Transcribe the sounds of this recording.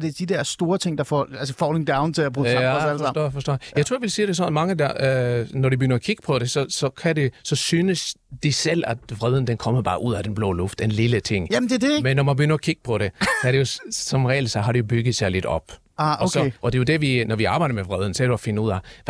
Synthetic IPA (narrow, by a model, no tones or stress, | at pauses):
d̥ed̥id̥ɛɐsd̥o̝ːɐt͡sʰeŋ̰d̥ɑ̈fɒælsəfɒ̰ːleŋd̥äʊnt͡sʰeæpʰʁo̥ḛæsælfsd̥ɔ̰ːfɒ̽sd̥ɔ̰ːjjɑt͡sʰo̝ɐjʋelsiːɾ̥e̝sɒ̽nmɑ̈ŋəd̥ɑnɒɾ̥ib̥ə̥ɡø̰nɐɒkʰiɡ̥əpʰɒ̽ɾe̝sɒ̽sɒ̽kʰæde̝sɒ̽syːnəsd̥isel̰æd̥ʋʁɛð̞ˠn̩d̥enkʰɒ̽m̰əbɑ̈ːʔuð̞̰ˠæd̥enb̥lɔ̰ːlɔ̽fd̥enlilət͡sʰe̝ŋ̰jæm̩d̥ed̥emenːɒmænb̥əɡønɐɒkʰiɡ̥ə̥pʰɒ̽ɾe̝sæɐɾejo̝sɒ̽mʁɛ̰ːlsɑɦɑ̈ɾ̥ejo̝b̥yɡ̥ð̩ˠsɑ̈ɪle̝d̥ɒ̽b̥ | ɒsɒʔɒ̽d̥e̝jo̝d̥eʋinɒʋiɑ̈ːbɑ̈ɪ̰ɾɐmeʋʁɛðˠn̩sɒæɐɾe̥b̥ɑ̈ːfe̝nəuð̞̰ˠæ